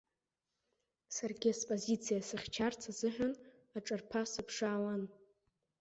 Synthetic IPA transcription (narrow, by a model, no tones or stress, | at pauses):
sarɡʲɪaspʼozit͡sʰijasɨχʲt͡ʃʰart͡sʰazɨħʷᶣan | aʈ͡ʂʼarpʰasɨpʰʂaːlan